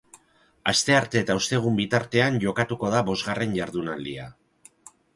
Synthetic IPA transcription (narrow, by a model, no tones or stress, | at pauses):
ast̪e̞aɾt̪e̞ːt̪aust̪e̞ɣ̞umbit̪aɾt̪e̞anʝo̞kat̪uko̞ð̞aβo̞zɣare̞nʝaɾðunald̪ia